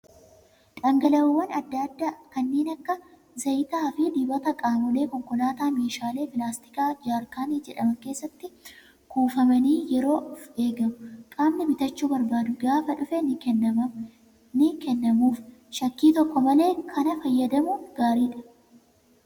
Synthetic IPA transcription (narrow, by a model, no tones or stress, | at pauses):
ᶑɐŋɡɐlɐwwːɐnɐd̪ːɐd̪ːaːkɐnːeːnɐkːɐ | zɐjt̪aːfid̪iːbɐt̪ɐkʼaːmɔle̞ːkɔŋkɔlaːt̪aːmeːʃaːle̞ːpɪlaːst̪ɪ̥kaːd͡ʒaːɾkaːniːd͡ʒɛᶑɐmɐŋke̞ːsːɐt̪ːɪ | kʰuːfɐmɐniːjɛɾo̞ːfe̞ːɡɐmʊkʼaːmnɪmɪt̪ɐt͡ʃːuːbɐɾbaːd̪ʊɡaːfɐᶑʊfɛnɪɐmɐ | nɪkɛnːɐmuːfʃɐkːiːt̪ɔkːɔmɐle̞ːkʰɐnɐfɐjːɐd̪ɐmʊɡ̥aːɾiːᶑɐ̥